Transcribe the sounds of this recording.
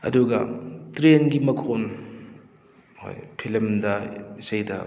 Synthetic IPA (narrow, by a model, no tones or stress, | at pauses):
ɐ̰duɡɐ̰tɾenɡimɐkʰon | ho̰jpʰelɐmdɐisɐjdɐ̰